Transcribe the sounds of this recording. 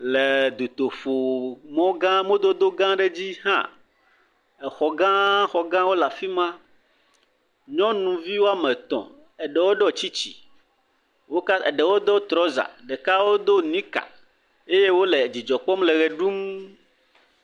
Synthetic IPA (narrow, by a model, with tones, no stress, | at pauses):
le˨d̪u˨t̪o˨fo˨mɔ̃˦ɡã˦mõ˦d̪o˦d̪o˦ɡã˦ɖe˦d͡ʑi˦ɦã̰˦ | ɛ˨xɔ˨ɡã˦xɔ˨ɡã˦wo˦la˨fi˦mã˦ | ɲɔ̃˦nũ˨vi˦wo˦a˦mɛ̃˨t̪ɔ̰̃˨ | ɛ˨ɖɛ˨wo˦ɖɔ˦t͡ɕi˦t͡ɕḭ˨ | wo˦ka˦ɛ˨ɖɛ˨wo˦d̪ɔ˦t̪ɾɔ˦za̰˨ɖɛ˨ka˦wo˦d̪o˦nĩ˦ka̰˨ | e˦je˦wo˦le˨d͡ʑi˨d͡ʒɔ˨k͡pɔ˦mlɛ˨ɣɛ˨ɖu˦m